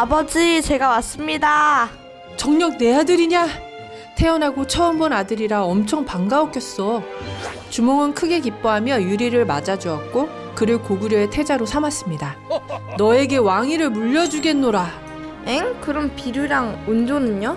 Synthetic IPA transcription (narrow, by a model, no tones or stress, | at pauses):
abʌd͡ʑit͡ɕe̞ɡawas͈ɯmɲida | t͡ɕʌŋɲʌk̚ne̞adɯɾiɲa | tʰe̞ʌnɦaɡot͡ɕʰʌɯmbʌnadɯɾiɾaʌmt͡ɕʰʌŋpaŋɡaok͈jʌs͈ʌ | t͡ɕumʌŋɯnkʰɯɡe̞kip͈oɦamjʌjuɾiɾɯɭma̰d͡ʑad͡ʑuʌk̚k͈o | kɯɾɯɭkoɡuɾjʌetʰe̞d͡ʑaɾosʰamas͈ɯmɲidanʌe̞ɡe̞waŋiɾɯɭmuʎːʌd͡ʑuɡe̞nːoɾa | eŋkɯɾʌmpiɾuɾaŋund͡ʑonɯɲo